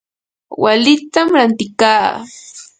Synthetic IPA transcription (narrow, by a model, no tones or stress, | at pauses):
walɪt̪amɾant̪ɪkaː